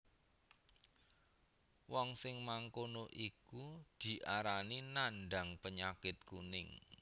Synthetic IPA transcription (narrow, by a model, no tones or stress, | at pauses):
wɔŋsɪŋmaŋkonoʔikud̪̥i̤ʔaɾaninanɖa̤ŋpəɲakɪt̪̚kṵnɪŋ